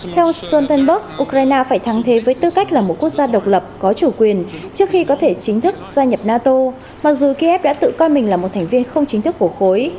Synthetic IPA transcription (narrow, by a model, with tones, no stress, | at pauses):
t̪ʰɛ˧wt̪ɔ˧nt̪ə˧nɓə˦˥k̚ʔu˧kɾaː˧jnaː˧faː˧˩jt̪ʰa˨˦ŋt̪ʰe˨˦vəː˨˦jt̪ɨ˧˨ka˦˥jk̟̚laː˨˩mo˨˩t̚ku˦˥ək̚zaː˧ɗə˨˩wk͡p̚lə˨˩p̚kɔ˨˦t͡ɕu˧˩kwi˨˩ənt͡ɕɨ˦˥ək̚xi˧kɔ˨˦t̪ʰe˧˩t͡ɕï˨˦ŋ̟t̪ʰɨ˦˥k̚z̥aː˧ɲə˨˩p̚naː˧t̪o˧ | ma˨˩k̚zu˨˩ki˧ʔɛ˦˥p̚ɗa̰ː˧˥t̪ɨ̰˧˨kɔ˧jmï˨˩ŋ̟laː˨˩mo˨˩t̚t̪ʰŋ̟vi˧ənxə˧wŋ͡mt͡ɕï˨˦ŋ̟t̪ʰɨ˦˥kːu˧˩əxo˨˦j